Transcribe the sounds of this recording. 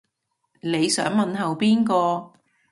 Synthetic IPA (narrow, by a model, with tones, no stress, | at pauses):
ne˨˧jsœː˨˥ŋmɐ˨nɦɐ˨wpiː˥nkɔː˧